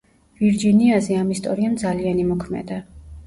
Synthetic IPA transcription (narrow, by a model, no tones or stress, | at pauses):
viɾd͡ʒiniazɛamist̪ʼɔ̰ɾiamd̪zalianimɔkʰmɛ̰d̪a